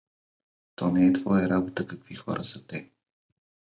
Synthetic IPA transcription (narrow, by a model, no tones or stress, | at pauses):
t̪ɔnɛɛt̪vɔjəɾabot̪əkɐkvixɔ̰ɾʔəsɐt̪ɛ